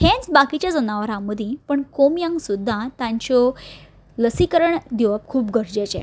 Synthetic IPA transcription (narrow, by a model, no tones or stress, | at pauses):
tɛ̃nt͡sbakit͡ɕjad͡zənaʋəɾãməd̪ʱĩpəɳkomjãŋɡsud̪ʱːãt̪ãɲt͡ɕɔ | ləsikəɾəɳd̪iʋəp̚kʰuːpɡəɾd͡ʑet͡ɕɛ̰